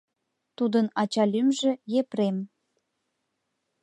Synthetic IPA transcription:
t̪ud̪ənɑt͡ɕɑlʲymʒĕjepɾem

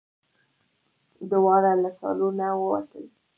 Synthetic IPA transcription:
d̪ʊwɑɾalasɑ̰lunawəwa̰t̪əl

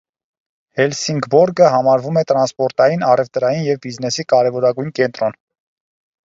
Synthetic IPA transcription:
hɛlsiŋɡbɔɾɡəɦɑmɑɾvumɛt̪ɾɑnspɔɾt̪ɑjinɑrɛvt̪ɾɑjinjɛvbiznɛsikɑɾɛvɔɾɑɡujnkɛnt̪ɾɔn

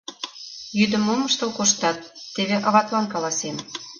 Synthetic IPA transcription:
jyd̪ə̆moməʃt̪ə̆lkoʃt̪ɑt̪̚ːeβeʔɑ̆βɑt̪lɑnkɑlɑsem

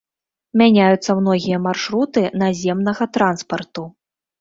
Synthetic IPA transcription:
mʲanʲajut̪sːɐmnɔɣʲijɐmarʂɾut̪ɨnazʲɛmnɐɣɐt̪ɾan̪spɐrt̪u

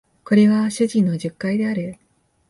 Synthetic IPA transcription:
ko̞ɾe̞βaɕɨʑĩnːo̞ʑɨkːaid̪e̞aɾɯ̟

